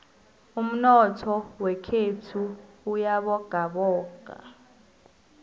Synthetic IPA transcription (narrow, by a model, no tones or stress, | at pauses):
um̩nɔtʰɔwɛkʰetʰuːujaɓɔɡ̥ʱaɓɔːɡ̥ʱa̰